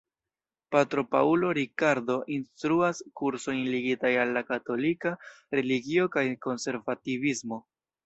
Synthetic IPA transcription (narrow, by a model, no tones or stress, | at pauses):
patɾo̞pa̰ulo̞ɾikaɾdo̞ʔinstɾuaskuɾso̞jnliɡitajalːakato̞lika | ɾe̞liɡio̞kajko̞nse̞ɾvativismo̞